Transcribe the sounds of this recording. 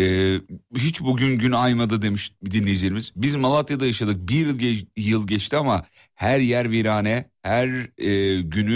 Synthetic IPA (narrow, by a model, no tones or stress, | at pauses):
ɛːɦit͡ʃbuɟynɟynajmad̪ɯd̪e̞miʃd̪inlːʲejid͡ʒeɾʲimiz̥bizmalˠat̪jad̪ajaʃad̪ɯk̚bijɯlˠɛjɯlˠɟɛt͡ʃt̪ʰiama | hæɾjæɾviɾaːnɛ | hæɾː | ɟyny